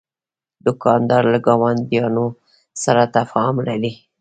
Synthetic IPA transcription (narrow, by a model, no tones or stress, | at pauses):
d̪ʊkɑnd̪ɑɾlaɡɑwand̪jɑno | saɾat̪afɑmnadi